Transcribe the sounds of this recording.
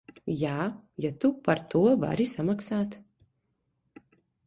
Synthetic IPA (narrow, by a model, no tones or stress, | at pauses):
jaːjat̪upaɾt̪uɔva̰ɾisamaksaːt̪